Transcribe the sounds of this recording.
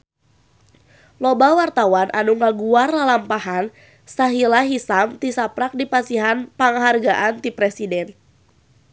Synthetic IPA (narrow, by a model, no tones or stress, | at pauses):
lɔbawart̪awanʔa̰nuŋaɡuarlalampaɦan | saɦilaɦisamt̪isapɾak̚dipasiɦanpaŋɦarɡaʔant̪ipɾɛsidɛn